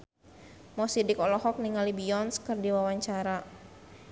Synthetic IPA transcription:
mɔsidikɔlɔɦɔk̚niŋalibiɔnskərdiwawaɲt͡ʃaɾa

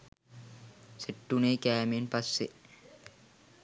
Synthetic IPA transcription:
seʈːuneːkæːmenpasːe

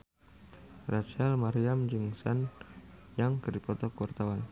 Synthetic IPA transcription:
rat͡ʃalmaɾiamd͡ʒɨŋsan | jaŋkərdipɔt̪ɔkwart̪awan

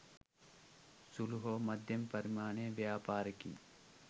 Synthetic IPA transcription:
sulɦoːmɐd̪ʱjɐmpɐɾmaːɳẽːʋjaːpaːɾkḭ

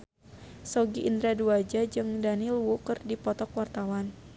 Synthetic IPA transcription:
sɔɡiʔind̪ɾaduad͡ʒad͡ʒɨŋdanilwukərdipɔt̪ɔkwart̪awan

